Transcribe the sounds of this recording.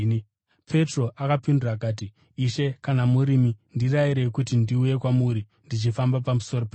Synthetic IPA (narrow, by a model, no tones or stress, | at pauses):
pʰe̞tro̞ʔakapinduraːk̬aːt̬iː | ʃe̞kanamuɾimindiraiɾe̞kutindiuje̞kwamuɾi | ndit͡ʃifambap̬amuso̞ɾope